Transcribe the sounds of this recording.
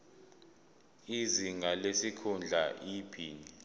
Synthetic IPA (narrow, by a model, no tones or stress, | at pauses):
iziŋʱalesikʰund͡ɮʱaʔiːpʰiːni